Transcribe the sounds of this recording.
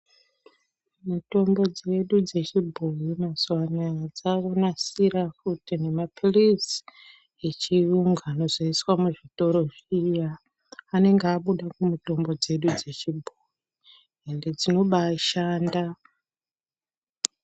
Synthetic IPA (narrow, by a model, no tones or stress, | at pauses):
muto̞mbo̞d͡ze̞ɗud͡ze̞t͡ʃibʱoimaswanad͡zakonasiɾakutinemapolis | it͡ʃijuŋɡaːno̞zoiswamuʐito̞ɾo̞ʐijaː | ne̞ŋɡeaɓuɗakumuto̞mbo̞d͡ze̞ɗud͡ze̞t͡ʃibʱoji | ende̞d͡zino̞ɓaʃaːnda